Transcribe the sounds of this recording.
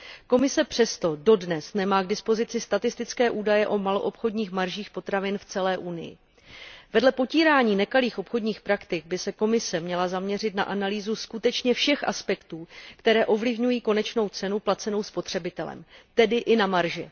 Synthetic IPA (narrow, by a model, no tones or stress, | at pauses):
ko̞mɪsɛpr̝̥ɛst̪o̞do̞dnɛsnɛmaːɡdɪspo̞zɪt͡sɪst̪at̪ɪst̪ɪt͡skɛːʔuːdajɛʔo̞malo̞ʔopxo̞dɲiːxmaɾʒiːxpo̞t̪ɾavɪnft͡sɛlɛːʔunɪ̰jɪ̰ | vɛdlɛpo̞ciːɾaːɲiːnɛkaliːxʔo̞pxo̞dɲiːxpɾakt̪ɪɡ̚bɪsɛko̞mɪsɛmɲɛlazamɲɛr̝ɪt̪na̰ʔanaliːzuskut̪ɛt͡ʃɲɛfʃɛxʔa̰spɛkt̪uːkt̪ɛɾɛːʔo̞vlɪvɲujiːko̞nɛt͡ʃno̞wt͡sɛnuplat͡sɛno̞wspo̞t̪r̝̥ɛbɪt̪ɛlɛ̰mt̪ɛdɪʔɪnamaɾʒɪ